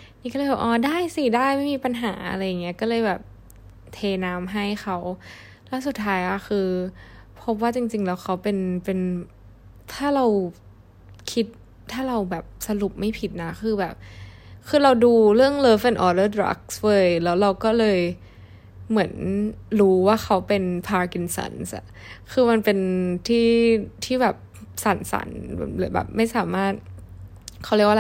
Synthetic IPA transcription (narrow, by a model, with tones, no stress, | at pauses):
niː˦˥kɔː˥˩˧bɛː˨˩ʔɔː˨˩daː˥˩jsi˧˩daː˥˩jma˥˩jmiː˧pa˧nɦa̰ː˩˦ʔa̰˧ɾa˧jːa˨˩ŋːi˦˥ɐkɔː˥˩lɤː˧jbɛː˨˩p̚ | t̪ʰeː˧naː˦˥mɦa˥˩jxʰa˦˥w | lɛː˦˥su˨˩t̪ʰːaː˦˥jʔa˧˥˩xʰɯː˧ | pʰo˦˥p̚waː˥˩t͡ɕi˧ŋt͡ɕi˧ŋlɛː˦˥wxʰa˦˥wpe˧npe˧n | t̪ʰaː˥˩ɾa˧w | kʰi˦˥t̪̚ʰː | aː˥˩ɾa˧wbɛː˨˩p̚sa˧lu˨˩p̚ma˥˩jpʰi˨˩t̪̚na˦˥kʰɯː˧bɛː˨˩p̚kʰɯː˧ɾa˧wduː˧ɾɯ˥˩əŋlɤː˧fe˧nʔɔː˧dɤː˥˩d̪ɾa̰˦˥k̚swɤː˧˥˩jlɛː˦˥wɾa˧wkɔː˥˩lɤː˧j | mɯ˩˦ənɾuː˦˥waː˥˩xʰa˦˥wpe˧npʰaː˧ki˧nsa̰˧˩nsʔa̰˨˩ | kʰɯː˧ma˧npe˧nt̪ʰiː˥˩t̪ʰiː˥˩bɛː˨˩p̚sa˨˩˦nsa̰˩˦n̰˧˩˦lɯː˨˩˦bɛ̰ː˨˩p̚ma˥˩jsaː˩˦maː˥˩t̪̚ | kʰa˦˥wɾi˥˩əkwa˧